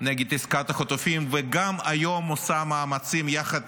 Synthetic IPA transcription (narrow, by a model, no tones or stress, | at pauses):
neɡid̪iskat̪aχot̪ofimveɡamajomosamaːmat͡simjaχad̪